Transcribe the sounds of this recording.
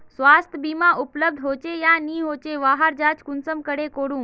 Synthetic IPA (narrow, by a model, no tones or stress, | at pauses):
sʋast̪ʰəbimaʔupləb̚d̪ʱɦot͡ɕejaniːɦot͡ɕeʋaɦaɾd͡ʑat͡ɕkunsəmkəɽekoɽũː